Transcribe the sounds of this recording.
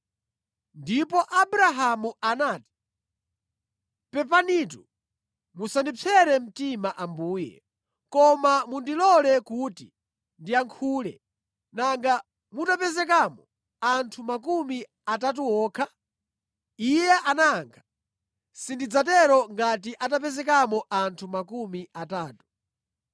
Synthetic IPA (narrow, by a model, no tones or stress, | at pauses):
ndipɔʔabuɾaɦamuanaːti̥ | pɛpanitu | musandip͡fʰɛɾɛm̩timaʔambuːjɛ̰ | kɔmamundilɔlɛkuːti | ndiaŋkʰuːlɛ̰ | naŋɡa | mutapɛzɛk̬amɔ | antʰumakumi | atat̬uɔːkʰa | ijɛʔanaŋkʰḁ | sindid͡zat̬ɛɾɔŋɡat̬iʔat̬apɛzɛk̬amɔʔantʰumakumiataːtu̥